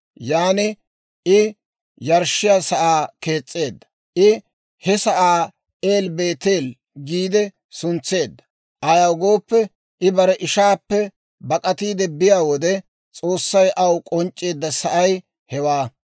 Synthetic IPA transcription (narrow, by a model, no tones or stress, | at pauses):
jaːnɪ | ɪ | jɐɾʃɪjaːsɐʔaːke̞ːt͡sʼːe̞ːd̪ːɐ̥ | ʔɪ | hɛsɐʔaː | eːlbe̞ːt̪e̞ːl | ɡiːd̪ɛ | sʊnt͡sːe̞ːd̪ːɐ̥ | ʔɐjɐwɡo̞ːpːɛ | ʔɪbɐɾɛʔɪʃaːpːɛ | bɐkʼɐt̪iːd̪ɛbɪjaːwɔd̪ɛ | t͡sʼo̞ːsːɐjʔɐwkʼɔnt͡ʃʼːe̞ːd̪ːɐsɐʔɐj | hɛwaː